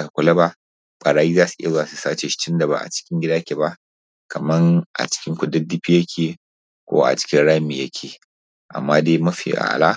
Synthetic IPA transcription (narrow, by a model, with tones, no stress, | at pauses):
a˨kʷʊ˨lɐ˦ba˦ | ɓʼɐ˨ɽaː˦jiː˦zaː˦su̥˨ʔɪ˦a˨zo˦a˨su˨saː˦t͡ʃe˨ʃt͡ʃɪ˦nda˨ba̰˨ʔa̰˨t͡ʃɪ̥˦kʲɪ˦ŋɡʲɪ˦daː˦kʲe˨ba˦ | kʰɐ˨mɐ˦ŋʔa̰˨t͡ʃɪ̥˦kʲɪ˦ŋkʷʊ˨dɐ˦di˦ɸi˦jɐ˦kʲʰeː˨ | kʷo̰ː˦ʔa̰˨t͡ʃɪ̥˦kʲɪ˦nɽa˦mi˨jɐ˦kʲʰeː˨ | ʔa̰˨mːaː˦deː˦mɐ˦ɸḭː˨ʔa̰˨ʔa̰˨la̰˦